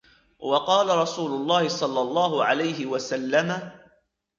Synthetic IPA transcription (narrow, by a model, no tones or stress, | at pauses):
wɑqɑːlaɾˤɑsuːlʊlˤːɑːhɪsˤɑlːɑlˤːɑːɦʊʕalajɦɪwasalːama